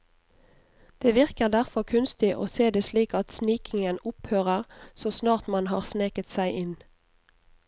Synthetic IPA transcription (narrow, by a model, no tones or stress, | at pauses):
d̪̥eːʋɪʁkəʁd̪æʁfɔkʰʉnst̪ɪʔo̰ːseːd̪eːsliːkɑt̪sniːkɪŋənʊphøːʁəʁsoːsnɑːʁt̪mɑnhɑːʁsneːkət̪sæɪʔɪn